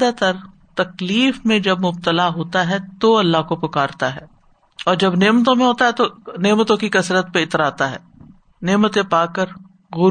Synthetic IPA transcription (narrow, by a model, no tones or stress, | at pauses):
d̪at̪ɐɾ | t̪ɐkliːfmẽd͡ʒɐbmʊbt̪əlaɦoːt̪aɦɛt̪oɐlːaɦkopʊkaːɾt̪aɦɛː | ɔːɾd͡ʒɐbneːmət̪̬õmẽɦoːt̪aɦɛt̪oneːmət̪õkikɐsɾət̪̚peɪt̪ɾaːt̪aɦɛ̰ː | neːmət̪ẽpaːkəɾ | ɣʊ